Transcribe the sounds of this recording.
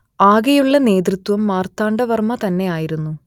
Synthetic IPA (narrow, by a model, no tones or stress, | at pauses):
aːɡɐjuɭːɐne̞ːd̪ɾit̪wɐmːaːrt̪aːɳɖɐʋɐrmɐt̪ɐnːe̞jaːjiɾunːu